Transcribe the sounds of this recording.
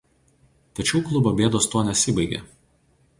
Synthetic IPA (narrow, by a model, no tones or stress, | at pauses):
t̪ɐt͡ʃʲɛʊklˠʊbobʲeːd̪oːst̪uɔnʲɛsʲɪbɐɪɡʲḛː